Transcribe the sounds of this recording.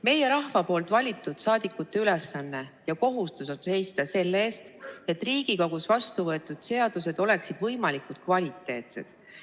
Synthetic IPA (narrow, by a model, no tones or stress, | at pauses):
me̞je̞ɾɑhvɑpo̞ːlt̪ˑvɑlʲit̪ːˑud̪̥sɑːd̪̥ikːˑut̪ːe̞yle̞sːɑnːe̞jɑko̞ɦust̪uso̞nse̞jst̪ɑse̞lːe̞ːst̪e̞t̪ːˑriːɡ̥iko̞ɡusvɑst̪uvɤe̞t̪ːˑud̪̥se̞ɑd̪̥use̞d̪̥o̞le̞ksid̪vɤjmɑlikud̪̥kvɑlʲit̪ːˑe̞ːt̪sḛd̪̥